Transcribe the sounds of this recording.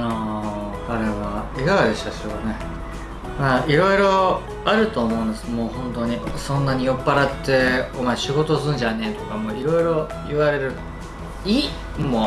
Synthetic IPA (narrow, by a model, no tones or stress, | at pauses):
a | aɾe̞βaeɡakaɾeɕat͡ɕoɡane̞ | maːiɾo̞iɾo̞ | aɾɯ̟t̪o̞ːmo̞ɯ̃nd̪esɨ̥moːhõ̞nt̪o̞ɲ̟isõ̞nːaɲ̟ijo̞pːaɾat̪ːe̞omaeɕiɡo̞t̪o̞sɨ̃ɲd͡ʑane̞ːt̪o̞kamoːiɾo̞iɾo̞ | iβaɾe̞ɾɯ̟ | iː | mo